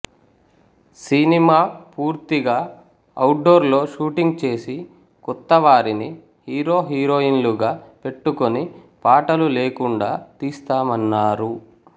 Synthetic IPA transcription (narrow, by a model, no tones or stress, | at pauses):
sinimaːpuːɾt̪iɡaː | ɐwʈ̚ɖo̞ːɾlo̞ːʃuːʈiŋɡ̚t͡ʃe̞ːsi | kɔt̪ːɐʋaːɾini | hiːɾo̞ːɦiːɾo̞ːinluɡaːpe̞ʈːuko̞nipaːʈɐlule̞ːkuɳɖaːt̪iːst̪aːmɐnːaːɾu